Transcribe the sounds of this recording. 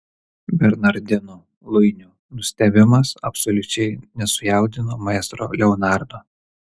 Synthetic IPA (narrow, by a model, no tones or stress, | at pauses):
bʲɛɾnɐɾd̪ʲɪnuː | lˠʊɪnʲuː | nʊsʲt̪ʲɛbʲɪmɐsɐpsɔlʲʊt͡ʃʲɛɪnʲɛsʊjɛˑʊd̪ʲɪnoːmɐɛst̪ɾo̰ːlʲɛɔnɑˑɾd̪oː